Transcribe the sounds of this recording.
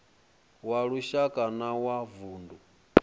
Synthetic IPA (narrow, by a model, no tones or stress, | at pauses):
waɺuʃakʼanawavuːndu